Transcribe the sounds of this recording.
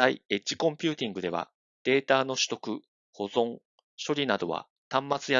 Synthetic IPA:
aḭe̞t͡ɕːi̥kõ̞mpʲɯ̟ːt̪ʲĩŋɡɯ̟d̪e̞βa̰ | d̪̥e̞ːt̪aːno̞ɕi̥t̪o̞kɯ̟ | ho̞zõ̞ŋ | ɕo̞ɾʲinad̪o̞̰βa̰ | t̪ãmːat͡sɨja

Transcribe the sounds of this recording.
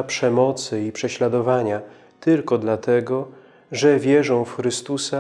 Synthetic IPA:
apʂɛmɔt̪sɘipʂɛɕlad̪ɔvaɲa | t̪ɘlkɔd̪lat̪ɛɡɔ | ʐɛvʲjɛʐɔ̃w̃fxɾɘst̪usa

